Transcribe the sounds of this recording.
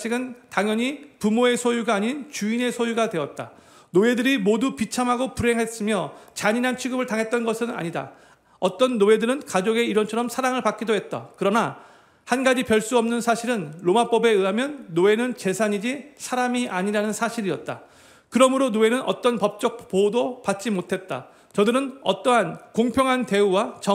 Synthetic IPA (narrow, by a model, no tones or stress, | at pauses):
ɕʰiɡɯntaŋjʌɲipumoe̞sʰojuɡaːɲint͡ɕuine̞sʰojuɡadwe̞ʌt̚t͈a̰ | noe̞dɯɾimodupit͡ɕʰamɦaɡopuɾɦe̞ŋɦe̞s͈ɯmjʌt͡ɕaɲiɾant͡ɕʰiɡɯbɯɭtaŋɦe̞t̚t͈ʌnɡʌsʰɯna̰ɲida̰ | ʌt͈ʌnːoe̞dɯɾɯnkad͡ʑoɡe̞iɾʌnt͡ɕʰʌɾʌmsʰaɾaŋɯɭpak͈idoɦe̞t̚t͈a̰kɯɾʌna | hanɡad͡ʑipjʌɭs͈uʌmnɯnsʰaɕʰiɾɯnɾomap͈ʌbe̞ɯɦamjʌnːoe̞nɯnt͡ɕe̞sʰaɲid͡ʑisʰaɾamiʔaɲiɾanɯnsʰaɕʰiɾiʌt̚t͈a̰ | kɯɾʌmɯɾonoe̞nɯnʔʌ̰t͈ʌnpʌp̚t͡ɕ͈ʌk̚podopat̚t͡ɕ͈imotʰe̞t̚t͈a̰ | t͡ɕʌdɯɾɯnʌ̰t͈ʌɦankoŋpʰjʌŋɦante̞uwat͡ɕʌ